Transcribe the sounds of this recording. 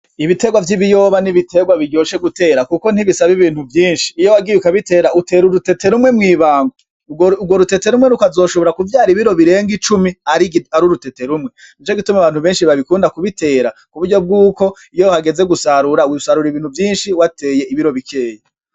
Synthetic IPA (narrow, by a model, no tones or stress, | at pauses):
iβite̞ɡwavjiβijo̞βaniβitʰe̞ɡwaβiɟo̞ːʃe̞ɡute̞ːɾakuko̞n̥iβisaβiβiːn̥huvjiːnʃiːjo̞waɡijukaβite̞ːɾaute̞ːɾuɾute̞te̞ɾumŋe̞mŋiːβaːŋɡo | uɡwo̞ɾute̞te̞ɾumŋeɾukazo̞ːʃo̞βo̞ɾakuvjaːɾiβiɾo̞βiɾe̞ːŋɡit͡ʃumiaɾiaɾuɾute̞te̞ɾumŋe̞ | it͡ʃoɡitumaβaːn̥uβe̞ːnʃiβaβikuːndakuβitʰe̞ːɾakuβudɟo̞b̚ɡuːko̞ | ijohaɡe̞ze̞ɡusaɾuɾasaɾuɾiβiːn̥huvjiːnʃiwatʰe̞ːje̞iβiɾo̞βikʰe̞ːje